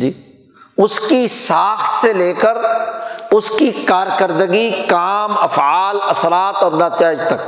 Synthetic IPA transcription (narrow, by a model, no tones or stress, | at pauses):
d͡ʒiː | ʊskisaːxt̪seleːkəɾ | ʊskikaːɾkəɾd̪əɡikaːmɐfaːlɐsɾaːt̪ɔːɾnaːt̪ɪjaːd͡ʒt̪ɐk